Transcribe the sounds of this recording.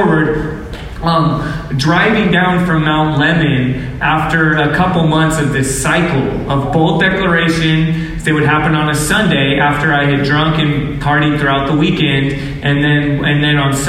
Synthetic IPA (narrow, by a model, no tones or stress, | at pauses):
wə˞d̚ | dɹaɪvɪ̃ŋdãʊ̃nfɹʌ̃mːãʊ̃nʔlɛmɨ̃n | ʔæftə˞ɨkʰʌpl̩ˠmʌ̃nθsʌvðɪsaɪkl̩ˠ | ʌvboʊlˠd̥ɛklə˞eɪʃɨ̃n | ðɨt̚wɨd̚ɦæpɨ̃nə̃nɨsʌ̃ndeɪʔæftə˞aɪɨdɹʌ̃ŋkɨ̃n | pʰɑɹɾiθɹʉaʊt̪̚ðəwikɛ̃nd | ʔɨ̃nðɨ̃nɨ̃nðɨ̃nə̃ns